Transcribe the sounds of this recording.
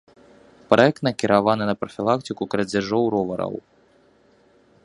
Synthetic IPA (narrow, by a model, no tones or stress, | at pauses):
pɾɐɛk̚t̪nɐkʲiɾʔavanɨnɐpɾɐfʲilˠakt̪ɨkukɾɐd͡zʲaʐɔwɾɔvɐɾɐ̰w